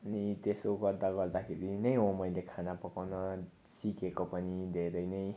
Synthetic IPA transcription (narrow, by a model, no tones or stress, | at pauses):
ʌnit̪esoɡʌrd̪aɡʌrd̪akʰeɾinʌjɦomʌjlekʰanapʌkawnʌ | sikekopʌnid̪ʱeɾʌjnʌj